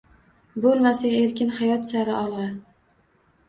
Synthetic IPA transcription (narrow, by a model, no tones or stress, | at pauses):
bolˠmasae̞ɾkʲɪnhajɒt̪saɾɪɒlˠʁɑ